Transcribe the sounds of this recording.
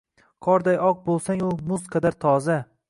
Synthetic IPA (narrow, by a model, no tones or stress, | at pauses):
qʰɒɾd̪ajɒq̚bolˠsaŋʊmʊzqʰɑd̪aɾt̪ʰɒza